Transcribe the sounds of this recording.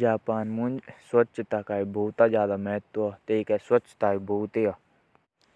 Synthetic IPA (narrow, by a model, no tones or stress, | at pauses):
d͡ʒaːpaːnmund͡ʒswɐt͡ʃt̪akaːibʱoːt̪azjaːd̪amɛːt̪ːuat̪eikɛswɐt͡ʃːt̪aːibʱoːt̪eja